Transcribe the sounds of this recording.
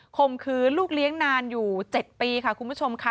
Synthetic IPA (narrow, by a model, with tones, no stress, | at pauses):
kʰo˧mkʰɯː˧˥luː˥˩k̚li˦˥əŋnaː˧njuː˨˩t͡ɕe˨˩t̪̚piː˧kʰa˥˩kʰu˧npʰu˦˥˩t͡ɕʰo˧mkʰa˦˥˩